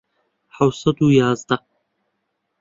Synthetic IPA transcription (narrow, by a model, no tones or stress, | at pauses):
ħawsɐd̪ujaːzd̪a